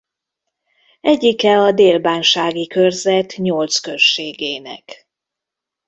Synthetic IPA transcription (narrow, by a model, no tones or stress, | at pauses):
ɛɟːikɛɒd̪eːlbaːnʃaːɡikørzɛt̪ɲolt̪skøʃːeːɡeːnɛ̰k